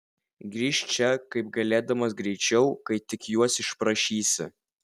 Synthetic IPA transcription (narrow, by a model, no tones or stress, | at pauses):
ɡɾʲiːʃʲt͡ʃʲɛkɐɪp̚ɡɐlʲeːd̪ɐmɐs̬ɡɾʲɛɪt͡ʃʲɛʊkɐɪt̪ʲɪkjuɔsɪʃpɾɐʃʲiːsʲɪ̰